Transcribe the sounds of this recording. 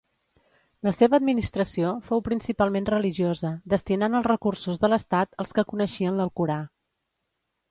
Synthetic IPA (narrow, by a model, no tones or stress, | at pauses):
ləseβəːd̪minist̪ɾəsiofowpɾinsipalˠmenrəliʒiozəd̪əst̪inanəlˠzrəkursuzðələst̪at̪əlˠskəkunəʃiənləlˠkuɾa